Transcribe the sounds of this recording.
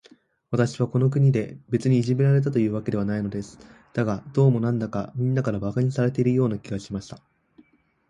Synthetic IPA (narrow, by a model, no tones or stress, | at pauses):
βat̪aɕiβako̞no̞k̬ɯ̟ɲ̟id̪e̞be̞t͡sɨɲ̟iːʑime̞ɾaɾe̞t̪̬at̪o̞jɯ̟ːβake̞d̪e̞βanaino̞d̪e̞sɨ̥ | d̪̥aɡad̪̥o̞ːmo̞nãnd̪akamʲĩnːakaɾabakaɲ̟isaɾe̞t̪e̞iɾɯjo̞ːnakʲiɡaɕimaɕi̥t̪a